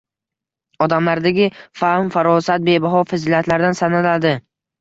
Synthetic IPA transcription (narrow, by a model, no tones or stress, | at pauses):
ɒd̪amlaɾd̪aɡʲɪfahmfaɾɒsat̪̚be̞baɦɒfazilat̪ʰlaɾd̪ansanalad̪ɪ